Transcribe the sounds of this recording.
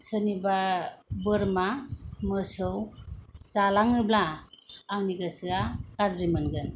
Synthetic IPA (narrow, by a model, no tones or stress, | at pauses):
sɯnibabɯɾmamɯsɯwsalaŋɯblaː | ŋniɡasɯakazɾimɯnɡɯn